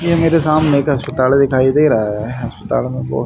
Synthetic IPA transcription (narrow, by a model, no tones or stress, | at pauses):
jemeːɾesaːmneːkɦɐspət̪aːld̪ɪkʰaːid̪eːɾɐɦaɦɛɦɐspət̪a̰ːlnẽbo̰ː